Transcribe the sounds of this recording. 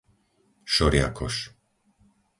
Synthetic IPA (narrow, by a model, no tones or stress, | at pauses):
ʃɔɾɪja̰kʰɔ̰ʃ